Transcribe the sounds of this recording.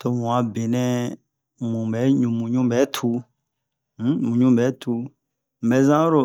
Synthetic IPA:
to˨mũ˨ã˨be˨nɛ̃˧ | mũ˨bɛ˨˦ɲũ˨mũ˨ɲũ˦bɛ˨˦tʰu˧˦ | m̩˦mũ˨ɲũ˦bɛ˨˦tʰu˧ | m̩˨bɛ˨˦zã˦ɾo˨

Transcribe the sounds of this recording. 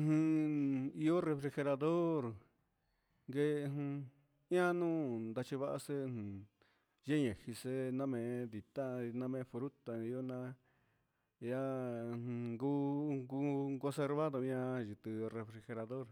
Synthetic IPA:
hũ˧ | i˧o˦re˧fɾi˧xe˧ɾa˧ðo˦ɾ | ŋɡẽ˧ | jã˦nũː˦nd̪a˧t͡ʃi˧βa˦ʔa˧se˦˧hũ˨ | ʒe˦ɲẽ˨hi˧se˦nã˦mẽ˨˧˦d̪i˧t̪a˦˧nã˦mẽ˧˦fɾu˦t̪a˨i˧o˦nã˦ | jã˦˧ | ŋɡu˦ɡu˦kõ˧se˧ɾβa˦ðo˧jã˧ʒi˨t̪ɨ˧re˧fɾi˧xe˧ɾa˧ðo˦ɾ

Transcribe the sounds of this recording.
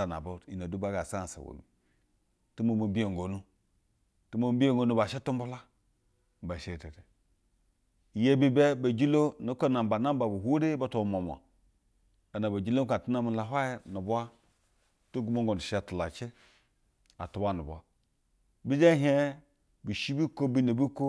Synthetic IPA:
a˨na̰˨bo˦˨i˨na˨du˦ba˦ɡa˨sa˦˨sa̰˨wo̰˨mi˨ | tu˦mo˨ma˨˦bi˦e˨ŋ˨ɡo˨nu˦ | tu˦mo˦m˦bi˦e˦˨ɡo˨nu˦ba˨ʃe˦tu˦mbu˦la˦˨ | ba˨ʃe˨te˨te˨ | je˦bi˦be˦ba˨d͡ʒi˦lo˦no˦ko˦na˨m˨ba˨na˦m˦ba˨bu˨ɦʷu˦ɾe˦ba˦to˦˨m˨o˨m˨a̰˨ | a˨na˨ba˨d͡ʒi˦lo˦ka˨tu˦na˦mi˨la˨ɦʷa˦je˦nu˨bu˦a˦ | to˦ɡu˦mo˦ŋɡo˨ni˨ʃtu˨la̰˨t͡ʃe˦ | a̰˨tu˨ba˦nṵ˨bʷa˦ | bi˦d͡ʒe˦ɦe˦ | bi˨ʃi˦bi˦ko˦bi˦ne˨bi˦ko˦

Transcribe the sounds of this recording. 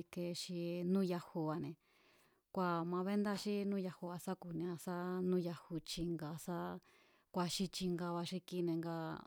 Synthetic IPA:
ke˧ʃi˧nũ˦ja˧hu˧βa˧nẽ˧ | kʷa˧mã˧βe˦nd̪a˦ʃi˦nũ˦ja˧hu˧a˧sa˦ku˨nĩ˧ã˧sa˦nũ˦˧ja˧hu˧t͡ʃi˧ŋɡa˧sa˦ | kʷa˧ʃi˧t͡ʃi˧ŋɡa˧βa˧ʃi˧ki˧nẽ˧ŋɡa˧

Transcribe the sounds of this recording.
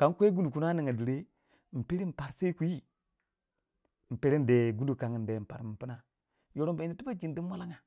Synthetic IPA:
ka˨˦ŋkʷe˦ɡu˦ndu˨ku˦na˦ni˨ŋa˨di˨ɾe˦ | m̩˨pi˦ɾi˦m̩˨pa˨ɾse˦kʷu˨˦i˦ | m̩˨pe˨ɾe˦n˦de˨ɡu˦ndu˨ka˨ŋi˨n˨de˨m̩˨pa̰˨ɾmi˨mpi˦na˦ | jo˨ɾo˦mba˨i˨i˦tu˦ba˦d͡ʒi˨ndi˦n˦wa˦la˦ŋa˨

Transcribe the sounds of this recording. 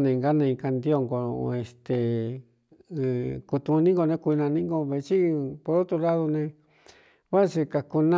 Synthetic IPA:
nẽ˧ŋɡa˦nã˧ĩ˧ka˧nd̪i˧o˧ŋɡo˧e˧˨st̪e˨˧˨ | ku˧t̪ũ˧nĩ˦ŋɡo˧nẽ˧kʷu˧nã˧nĩ˦ŋɡo˧βe˧t͡ʃi˦po˧ðo˦t̪u˧la˦ðo˧nẽ˧ | βa˦˧se˧ka˧ku˧nã

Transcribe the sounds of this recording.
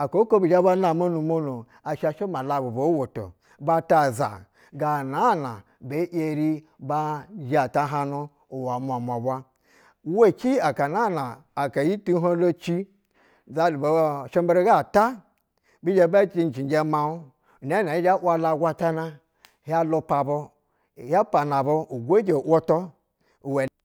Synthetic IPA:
a˨ko˨˦ko˦bi˨d͡ʒa˦ba˦na˨mo˦nu˨mo˦nu˨ | a˨ʃa˧ʃe˦ma˨la˨bu˨bo˨˦wo˨to̰˨ | ba˦ta˦˨za̰˨ | ɡa˨na˨˦˨na̰˨ | be˨˦ʔe˧ɾi˦ | ba˦d͡ʒa˨ta˦ɦa˦nu˦ | u˨wa˨mʷa˨ma˨bʷa˦ | wo˦˨kʲi˦a˨ka˨na˦˨naː˨ | ka˨ji˦tu˦ɦo˦lo˦t͡ʃi˦ | za˦˨bo˨ʃe˦mbe˦ɾi˦ɡa˦˨ta˦ | bi˦d͡ʒe˦ba˦t͡ʃi˦n̩˨t͡ʃi˨nd͡ʒe˦ma˨u˦˨ | a˦na˨i˦d͡ʒa˦ʔʷwa˦la˧˨ɡʷa˦ta˦na˦ | ha˦lo˧pa˨bo˧˨ | ha˦pa˨na˨bo˧u˨ɡʷe˦d͡ʒe˨ʔo˦to˦ | u˨we˨

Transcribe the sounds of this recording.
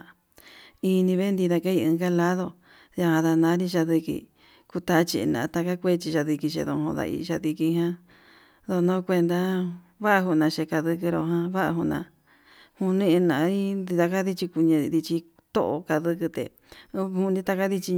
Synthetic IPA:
i˧nĩ˧βe˦nd̪i˧ða˧ka˦i˧ɨ̃˧ŋɡa˦la˦ðo˧˨ | ja˧hã˧ða˧nã˧˦ɾi˦ʃ̬a˧ði˧kḭ˧ | ku˧t̪a˧˦t͡ʃḭ˧nã̰˨a˧t̪a˧ka˦kʷe˦t͡ʃi˧ʃa˧ði˧ki˧ʃ̬ḛ˧ðõ̰˧ɦõ˧ða̰˧ʔḭ˧ʃa˧ði˧ki˧ɦã˦ | ðo˧nõ˦˧kʷe˧nd̪a˧ | βa˦ʔa˧ɦu˧nã˨˧ʃe˧ka˧ðɨ˧kɨ˧ɾo˧ɦã˧βa˦ʔa˧ɦu˧nã̰˧ | hu˧nĩ˦˧e˧nã˨˧ɾi˦i˧t̪a˧ka˦ði˦t͡ʃi˧ku˧ɲẽ˧ði˧t͡ʃi˧ | t̪o̰˦ʔo̰˧ka˧ðɨ˧kɨ˧t̪ḛ˧ | hu˧nĩ˧t̪a˧ka˦ði˦t͡ʃi˧

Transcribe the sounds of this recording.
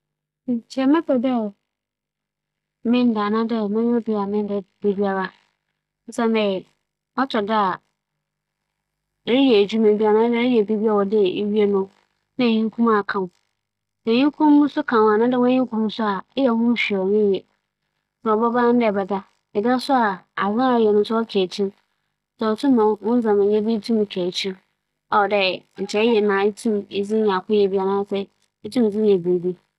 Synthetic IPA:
ɲ˨t͡ɕʰɛ˦mɛ̃˦pʰɛ˨dɛ˦ | mɪ̃˦n˦da˨nã˦dɛ˦˨mɛ̃˦ñ˦bi˦˨a˨mɪ̃˦n˦dɛ˨be˨bi˦a˨ɾa˦ | n̩˦sa˦mɛ̃˨ | ɔ˦tʰɔ˨da˦a˨ | ɾjɛ˨d͡ʑu˦mẽ˨bi˦a˨nã˦dɛ˦ɪ˦jɛ˨be˦bi˦a˦˨wɔ˨dɪ˦e˦ɥi˦e˦nʊ̃˦ | nã˦˨ɲĩ˦ŋ˦kʰũ˦ma˦˨kʰã˨ʊ̃˨ | sɛ˨ɲĩ˦kʰʊ̃ː˦ũ˦sʊ˦kʰã˨wa˨nã˦dɪ˦wɔ̃˦ɲɪ̃˦ŋ˦kʊ̃˦m̃˦sʊ˦a˨ɪ˦jɛ˨hʊ̃˦ɕᶣɔ˨nɪ̃˦jɛ˨ | sa˨ɔ˨bɔ˦ba˦n̩˦dɛ˨bɛ˨da˦ | ɪ˨da˦sʊ˦a˨a˨zã˦a˦˨jɛ˨nʊ̃˦sʊ˦ɔ˦kʰɛ˨t͡ɕʰĩ˦n | sɛ˨ɔ˨tʰũ˦mã˨˦wʊ̃˦n˦zã˨mɪ̃˨ɲɛ̃˦bi˦tʰũ˦m˨kʰɛ˨t͡ɕʰĩ˦n | a˨ɔ˨dɛ˨n̩˨t͡ɕʰɛ˨˦jɛ˨nã˨i˦tʰũ˦mɪ˨d͡zɪ̃˦ɲã˨kʊ˦jɛ˨bi˨a˨nãː˦sɛ˦ | e˦tʰũ˦m˨d͡zɪ̃˦jɛ˨be˨bi˦

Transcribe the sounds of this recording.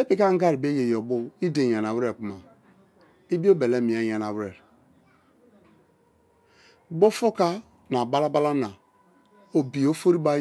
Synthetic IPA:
e˦pi˨ka˦ŋ̩˦ɡa˦ɾi˨be˦je˨jɔ˨bu˦i˦de˨a˨n˨a˨wɾe˨k͡pu˦ma˨ | i˦bi˦o˦be˨le˦˨mi˨a˨˦ja˨na˨wɾe˨ɾ | bo˦fo˦ka˦ | na˨ba˦la˦ba˦la˦na˨ | o˨bi˨o˦fo˦ɾi˦ba˦

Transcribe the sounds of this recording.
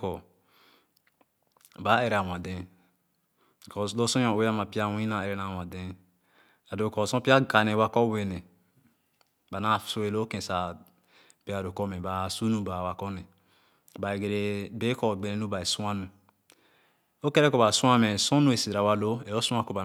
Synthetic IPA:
kɔ˨ | ba˨˦e˨ɾa˨wã˨dɛ̃˦˨ | kɔ˨lo˦sɔ̃˦ɔ̃˨we˦a˦mã˨pi˦a˦wĩ˦nã˨e˨ɾe˦nã˨wã˨dɛ̃˦ | a˨do˨kɔ˨sɔ̃˦pi˦a˦ɡa˨nɛ˨wa˦kɔ˦we˨nɛ̃˨ | ba˨na˦˨so˦e˨lo˦kɛ̃˨sa˨ | pi˦a˨do˨kɔ˦mɛ̃˨ba˨su˦nũ˦ba˨wa˨kɔ˦nɛ̃˨ | ba˨ɡɾe˦be˦kɔ˨ɡ͡be˨ɾe˦nu˦ba˨e˨sũ˦a˦nũ˨ | o˦kɛ˦ɾɛ˦kɔ˨ba˨sũ˦a˦mɛ˨sɔ̃˦nũ˦e˨si˨ɾa˨wa˦lo˦e˨o˦sũ˦ã˦ko˨ba˨

